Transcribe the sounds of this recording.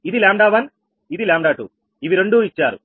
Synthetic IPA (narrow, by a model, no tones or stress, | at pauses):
id̪ilaːmɖaːʋɐn | id̪ilaːmɖaːʈṵ | iʋiɾeɳɖuːit͡ʃːaːɾṵ